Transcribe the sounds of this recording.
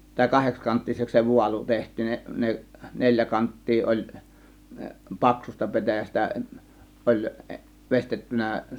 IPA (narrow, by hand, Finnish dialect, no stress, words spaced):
tɑˑe̝ kɑhekskɑntːiseks se ʋuɑlu tehtˑiːn ne ne nelʲjæ kɑntːiː ʔolʲ pɑksustɑ pe̞tæjæstæ ʔolʲ ʋestetːynæˑ